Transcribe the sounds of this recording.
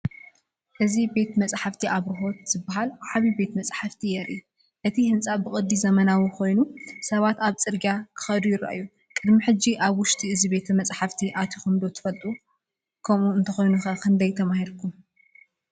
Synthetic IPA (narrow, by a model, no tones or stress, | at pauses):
ʔɨzibe̞t̪mɐt͡sʼħaft̪ʰiʔaβɾɨɦo̞t̪̚z̥ɨbːaɦalʕaβibe̞t̪mɐt͡sʼħaft̪ʰijɛɾʔi | ʔɨt̪ʰihɨnt͡sʼabɨkʼɨd̪ːizɐmɐnawikʰo̞jnusɐβat̪aβt͡sʼɨɾɡakʰɨ̥xɐd̪ujɪɾa̰ʔa̰jːu | kʼɨd̪miħɨd͡ʒiʔaβwʊʃt̪ʰiɨzibe̞t̪ʰɐmɐt͡sʼħaft̪ʰiʔat̪ʰixumd̪o̞t̪ʰɨ̥fɐlt̪ʼu | kʰɐmuɨnt̪ʰɐxojnuxɐkʰɨnd̪ɐjt̪ʰɐmahiɾkʰum